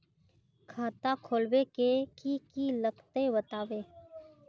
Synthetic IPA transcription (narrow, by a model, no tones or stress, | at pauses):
kʰaːt̪akʰoːlwekekikiləkt̪ebət̪aːweː